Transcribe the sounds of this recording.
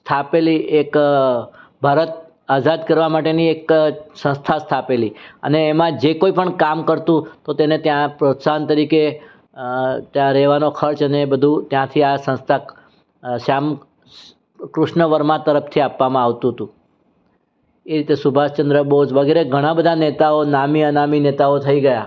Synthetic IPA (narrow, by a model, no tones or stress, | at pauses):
st̪ʰapeliʔek | bʱaɾət̪̚ | ad͡ʒad̪kəɾʋamaʈenieksə̃st̪ʰast̪ʰapeliə̰neːmãd͡ʒekoipəɳkamkəɾt̪ũt̪ot̪enet̪jãpɾot̪sant̪əɾike | t̪jãɾɛʋanokʰəɾt͡ʃənebəd̪ʱũt̪jãt̪ʰiasə̃st̪ʰa | ʃam | kɾʊʃɳəʋəɾmãt̪əɾəpʰt̪ʰiapʋamãaʋt̪ũɦət̪ũ | eɾit̪esʊbʱast͡ʃənd̪ɾəbəɦud͡ʒʋəɡeɾeɡʱəɽ̃ãbəd̪ʱanet̪aonamiənaminet̪aot̪ʰəiɡəja